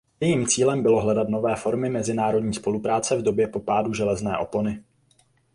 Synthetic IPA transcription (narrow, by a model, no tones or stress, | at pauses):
jɛjiːmt͡siːlɛmbɪlo̞ɦlɛdat̪no̞vɛːfo̞ɾmɪmɛzɪnaːɾo̞dɲiːspo̞lupɾaːt͡sɛvdo̞bjɛpo̞paːduʒɛlɛznɛːʔo̞po̞nɪ